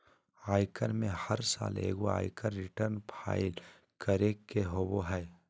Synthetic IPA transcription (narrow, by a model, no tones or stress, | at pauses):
aːɪkənmẽhɐɾsa̰ːlḛːɡoa̰ːɪkənɾɪʈəɾnpʰa̰ːɪl | kəɾekːeɦoːboɦɛː